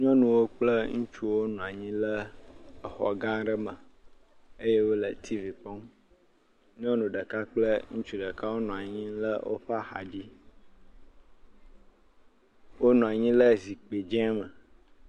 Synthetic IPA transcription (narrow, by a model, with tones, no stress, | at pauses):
ɲɔ̃˦nũ˨wo˦k͡plə˦ŋũ˦t͡ʃu˦wo˦nũ˨a˨ɲĩ˦lə˦˨ | xɔ̰˨ɡã˦ɖə˦mə˨ | ə˦je˦wo˦lə˨t̪ʰi˦vi˨pɔ̃˦m | ɲ˦ɔ̃˦nũ˨ɖə˨ka˦k͡plə˦ŋũ˦t͡ʃu˦ɖə˨ka˦wo˦nũ˨a˨ɲĩ˦lə˦wʔo̰˦ɸa˦xa̰˨ɖi˦ | wo˦nũ˨a˨ɲĩ˦lə˦zi˨k͡pe˨d͡ʒɛ̃˦mə˨